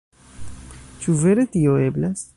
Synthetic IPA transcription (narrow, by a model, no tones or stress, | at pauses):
t͡ʃuveɾet̪ijoeblas